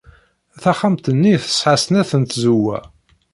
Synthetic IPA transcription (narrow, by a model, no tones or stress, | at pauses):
θæχamt̪ənːiθə̥sħasnæθənt̪zuwæ̰